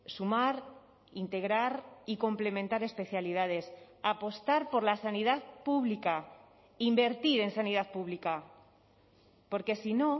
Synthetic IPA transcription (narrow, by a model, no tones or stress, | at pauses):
sumaɾ | int̪e̞ɣ̞ɾaɾiko̞mple̞mẽ̞nt̪aɾe̞spe̞θjaliðað̞e̞s | apo̞st̪aɾpo̞ɾlasaniðaðpuβlika | imbe̞ɾt̪iɾe̞nsaniðaðpuβ̞lika | po̞ɾke̞sino̞